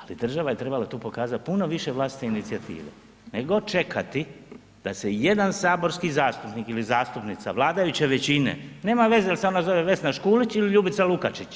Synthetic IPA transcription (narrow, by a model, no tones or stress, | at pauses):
alid̪r̩ʒaʋaje̞t̪ɾe̞balat̪uːpo̞kaːzat̪̚puno̞ʋiʃe̞ʋlˠaːst̪i̥t̪einit̪sijat̪ḭːʋḛ | neɡo̞t͡ʃe̞kʰat̪i | d̪aseje̞d̪ansaːbo̞ɾskizaːst̪upnikilizaːst̪upnit̪sa̰ʋlˠaːd̪ajut͡ɕeʋet͡ɕine̞̰ne̞ːmaʋe̞zejalse̞o̞nazo̞ʋe̞ʋe̞snaʃkuːlit͡ɕiliʎuːbit̪salukat͡ʃit͡ɕ